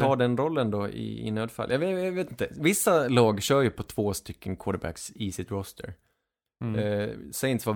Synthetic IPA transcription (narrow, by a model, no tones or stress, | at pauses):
ɑːɖɛnɾɔlːənd̪ɔʔɪ̰ɪ̰nøːd̪fa̰lʔjɑjveːt̪ɪnt̪əvɪsːalɑːɡɕœːɾjɵpʰɔt̪ʰv̥oːst̪ʏkʰːənkʰwɔːɖəɾbæ̰ksiːsɪt̪ɾɔst̪ʰə̰ɾ | sɛɪnt̪sva